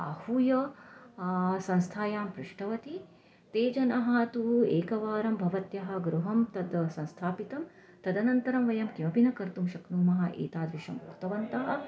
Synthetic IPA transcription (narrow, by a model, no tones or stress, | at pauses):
a̰ːhuːjɐ | sɐ̃nst̪ʰaːjaːmpɾuʂʈʰɐʋɐt̪i | t̪eːd͡ʒɐnɐɦɐt̪ueːkɐʋaːɾɐmbʱɐʋɐt̪jɐɦɐ̆ɡɾuɦɐmt̪ɐd̪sɐ̃nst̪ʰaːpit̪ɐm | t̪ɐd̪ɐnɐnt̪ɐɾɐmʋɐjɐmkimɐpinɐkɐɾt̪umʃɐknuːmɐɦɐʔḛːt̪aːd̪ʋiʃɐmukt̪ɐʋɐnt̪ɐɦɐ̆